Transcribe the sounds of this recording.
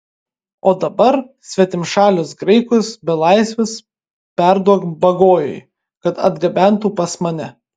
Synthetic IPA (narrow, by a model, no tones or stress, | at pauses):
oːd̪ɐbɐɾsʲʋʲɛt̪ʲɪmʃɑːlʲʊsɡɾɐɪkʊsbʲɛlˠɐɪsʲʋʲɪs | pʲæɾd̪uɔkbɐɡoːjo̰j | kɐt̪ɐ̰d̪ɡɐbʲæˑnt̪uːpɐsmɐnʲɛ